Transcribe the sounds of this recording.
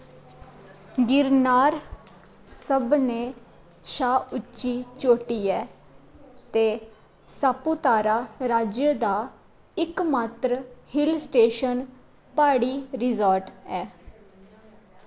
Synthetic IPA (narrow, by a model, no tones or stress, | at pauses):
ɡɪɾnaːɾ | səbneː | ʃaːʊt͡ʃːʃiːt͡ʃoːʈiːɛː | t̪eː | saːpuːt̪aːɾaːɾaːd͡ʒjəd̪aː | ɪkmaːt̪ɾəhɪlsʈeːʃən | paːɽiːɾɪzɔːɾʈɛː